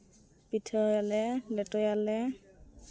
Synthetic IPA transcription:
pitʰɔjalɛlɛtɔjalɛ

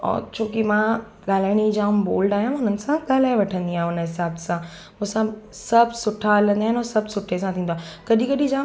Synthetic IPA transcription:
ɔ̰t͡ɕʰoːkimã | ɠaːl̤aːɪɽ̃id͡ʑaːmboːlɖaːɦjãʊnənɪ̆sãɠɐlaːɪʋɐʈʰə̃nd̪iaːɦʊnəɦɪsaːbsã | ʊ̃sãsɐbʱsʊʈʰaɐlə̃nd̪aːɦɪ̃noːsɐbsʊʈʰes̬ãt̪ʰĩːn̆d̪akɐɗĩkɐɗĩd͡ʑaː

